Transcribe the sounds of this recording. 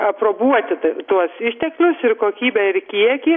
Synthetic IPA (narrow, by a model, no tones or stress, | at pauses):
ɐproːbuɔt̪ʲɪt̪t̪uɔsɪʃʲt̪ʲɛklʲʊsɪrkoːkʲiːbʲɛɪrkʲiɛkʲiː